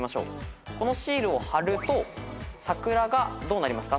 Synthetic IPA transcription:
maɕo̞̰ːko̞no̞ɕiːɾɯ̟o̞haɾɯ̟t̪o̞sakɯ̟ɾaɡad̪o̞ːnaɾʲimasɨ̥ka

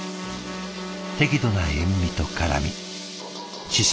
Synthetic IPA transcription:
t̪e̞kʲid̪o̞naɦemːʲit̪o̞kaɾa̰mʲḭ | ɕis

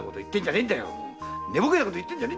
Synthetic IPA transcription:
kot̪oit̪ːeɲ̟d͡ʑanend̪ajo̰ne̞bokenakot̪oit̪ːẽɲ̟d͡ʑane

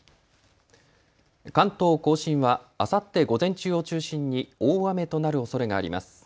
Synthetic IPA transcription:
kãnt̪o̞ːko̞ːɕĩɰ̃βa | asat̪ːe̞ɡo̞zẽ̞ɲ̟t͡ɕɨːo̞t͡ɕɨːɕĩɲ̟ːioːame̞t̪o̞naɾɯ̟o̞so̞ɾe̞ɡaːɾʲḭma̰sɨ̥

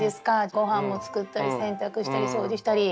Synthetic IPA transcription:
d̪e̞sɨ̥kaɡo̞ɦãmːo̞t͡sɨ̥kɯt̪ːaɾʲisẽ̞nt̪akɯ̟ɕi̥t̪aɾʲiso̞ːd͡ʑiɕi̥t̪aɾʲi

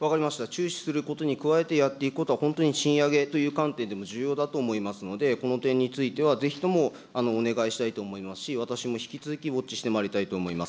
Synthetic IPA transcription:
βakaɾʲimaɕi̥t̪at͡ɕɨːɕi̥sɨɾɯ̟ko̞t̪o̞ɲ̟ikɯ̟βae̞t̪e̞jat̪ːe̞ikɯ̥ko̞t̪oahõnt̪oɲ̟iɕĩɰ̃jaɡe̞t̪o̞jɯ̟ːkãnt̪ẽ̞nd̪e̞mo̞ʑɨːjo̞ːd̪at̪o̞ːmo̞imasɨno̞d̪e̞ko̞not̪ẽ̞ɲ̟ːit͡sɨit̪e̞β̞aze̞çi̥t̪o̞mo̞ | ano̞ːne̞ɡaiɕi̥t̪ait̪o̞ːmo̞imasɨ̥ɕiβat̪aɕimo̞çi̥kʲit͡sɨzɨkʲiβo̞t͡ɕːi̥ɕi̥t̪e̞maɾʲit̪ait̪o̞ːmo̞imasɨ̥

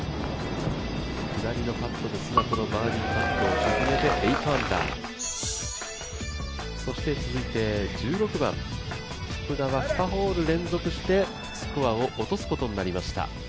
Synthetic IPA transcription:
kɯ̟d̪aɾʲino̞pat̪ːo̞d̪e̞sɨɡakono̞baːɾʲipat̪ːo̞ːʑɨɡɯme̞d̪e̞ʔeit̪oãnd̪a̰ː | so̞ɕi̥t̪e̞t͡sɨzɨit̪e̞d͡ʑɨːɾo̞kɯ̟bã̰ŋ | kɯ̟d̪aβaɸɯ̥paɦo̞ːɾɯ̟ɾẽ̞nd͡zo̞kɯ̟ɕi̥t̪e̞ | sɨ̥koβao̞ʔot̪o̞sɨ̥ko̞t̪o̞ɲ̟inaɾʲimaɕi̥t̪a̰

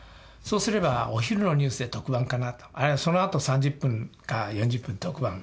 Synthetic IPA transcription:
so̞ːsɨɾe̞baoçiɾɯno̞ɲ̟ɨːsɨd̪et̪o̞kɯ̟bãŋkanat̪o̥aɾeso̞noat̪o̞sãɲ̟d͡ʑɯpːɯ̃ŋkajõ̞ɲ̟d͡ʑɨpːɯ̟̃nt̪okɯ̟bã̰ŋ

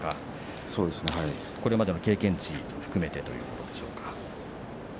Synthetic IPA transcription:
ka | so̞ːd̪e̞sɨnehai | ko̞ɾe̞mad̪e̞no̞ke̞ːkẽ̞ɲ̟t͡ɕioɸɯ̟̥kɯ̟me̞t̪e̞t̪o̞jɯ̟ːko̞t̪o̞d̪e̞ɕo̞̰ːkḁ

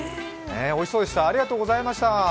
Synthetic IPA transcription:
neo̞isoːd̪e̞ɕt̪aːɾʲiɡat̪oːɡo̞zaimaɕi̥t̪a

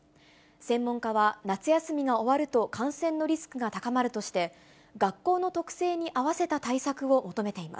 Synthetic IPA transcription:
sẽ̞mːõ̞ŋkaβanat͡sɨjasɨmʲiɡao̞βaɾɯ̟t̪o̞kãɰ̃sẽ̞nːo̞ɾʲisɨ̥kɯ̟ɡat̪akamaɾɯ̟t̪o̞ɕi̥t̪e̞ | ɡakːo̞ːno̞t̪o̞kɯ̟̥se̞ːɲ̟iʔaβase̞t̪at̪aisakɯ̟o̞mo̞t̪o̞me̞t̪e̞ima̰s

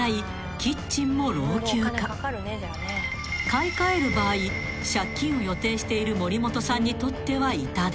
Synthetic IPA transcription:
ai | kʲit͡ɕĩmːo̞ɾo̞ːkʲɨːka | kaikae̞ɾɯ̟baːi | ɕakʲːĩɰ̃ojo̞t̪e̞ːɕi̥t̪e̞iɾɯ̟mo̞ɾʲimo̞t̪o̞sãɲ̟ːit̪o̞t̪ːe̞βait̪ad̪

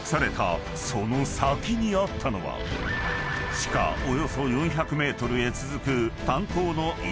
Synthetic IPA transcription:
saɾe̞t̪a̰ | so̞no̞sakʲiɲ̟iat̪ʰːano̞βa̰ | ɕi̥ka̰o̞jo̞so̞jõ̞ɰ̃çakɯ̟me̞ːt̪o̞ɾɯ̟e̞t͡sɨzɨkɯ̟t̪ãŋt̪o̞ːno̞i

